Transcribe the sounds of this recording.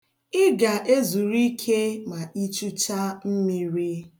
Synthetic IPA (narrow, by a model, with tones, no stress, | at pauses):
ɪ˦ɡa˨ʔe˦zu˨ɾi˦kʰe˦ma˨i˦t͡ʃu˦t͡ʃa˦m̩˦mi˦ɾi˦